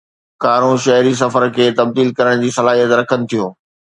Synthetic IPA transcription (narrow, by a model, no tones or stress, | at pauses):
kaːɾõʃɐɦɾis̬ɐfəɾkʰeːt̪ɐb̚d̪iːlkɐɾəɽ̃d͡ʑiːsɐlaːɦijət̪ɾɐkʰənɪ̆t̪ʰijoː